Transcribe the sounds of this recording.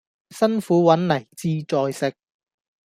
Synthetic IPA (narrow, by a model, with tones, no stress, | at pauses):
sɐ˥nfuː˨˥wɐ˨˥nlɐ˨˩jt͡siː˧t͡sɔː˧jsɪ˨k̚